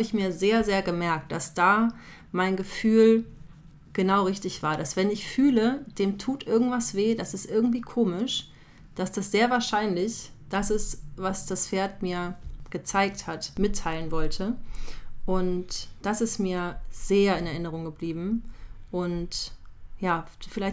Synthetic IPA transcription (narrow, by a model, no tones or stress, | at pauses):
haːbəɪçmiːɐzeːɐzeːɐɡəmɛɐk̚t̚d̥asd̥aː | maɪnɡəfyːl | ɡ̥ənaʊʁɪçtɪçv̥aːɐdasv̥ɛnɪçfyːləd̥eːmtʰuːtʔɪɐɡŋ̩tv̥asv̥eːdasɪstʔɪɐɡŋ̩tv̥iːkʰoːmɪʃ | d̥asd̥asz̥eːɐvaːɐʃaɪnlɪçd̥asɪstv̥asd̥asfeːɐtmiːɐɡ̥ət͡saɪk̚thatmɪtʰːaɪlənvɔltʰə | ʔʊntd̥asɪstmiːɐz̥eːɐɪnɛɐʔɪnəʁ̞ʊŋɡəbliːbm̩ʔʊntjaːfɪlaɪç